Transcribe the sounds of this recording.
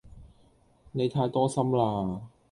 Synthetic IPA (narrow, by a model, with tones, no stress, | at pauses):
ne˨˧jt̪ʰaː˧jt̪ɔː˥sɐ˥mlaː˧